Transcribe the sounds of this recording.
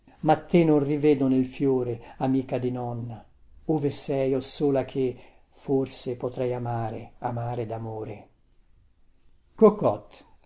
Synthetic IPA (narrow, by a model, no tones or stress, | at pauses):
mat̪ːenonrivɛːd̪onelfjoːɾeamiːkad̪inɔnːa | oːvesɛjosoːlakʰe | forsepot̪ɾɛjamaːɾḛamaːɾed̪amoːɾe | kokːɔt̪